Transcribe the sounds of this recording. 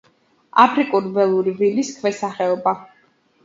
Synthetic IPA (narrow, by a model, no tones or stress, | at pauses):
a̰pʰɾikʼuɾvɛlˠuɾiviliskʰvɛsaχɛɔba